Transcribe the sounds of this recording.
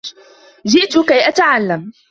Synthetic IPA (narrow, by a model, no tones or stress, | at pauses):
d͡ʒɪʔt̪ʊkajʔat̪aʕalːam